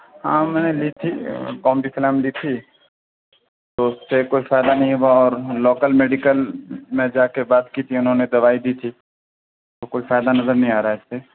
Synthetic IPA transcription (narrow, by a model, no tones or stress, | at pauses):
ɦã̰ːmɛːneliːt̪ʰikɔːmbisɪlaːmliːt̪ʰi | t̪oʊsːekoːifaːjd̪anɐɦĩɦuaɔːɾloːkəlmeːɖikəlmẽd͡ʒaːkebaːt̪kiːt̪ʰiʊnɦõːned̪ɐʋaːid̪iːt̪ʰi | t̪okoːifaːd̪anɐzəɾnɐɦĩaːɾaaɪsːe